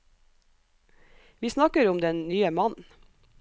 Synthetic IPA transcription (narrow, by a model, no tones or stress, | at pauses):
ʋiːsnɑkəɾʊmd̪ɛnnyːəmɑn